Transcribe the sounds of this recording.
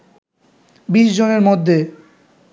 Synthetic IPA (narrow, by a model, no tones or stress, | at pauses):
biʃd͡ʑoneɾmod̪ʱːe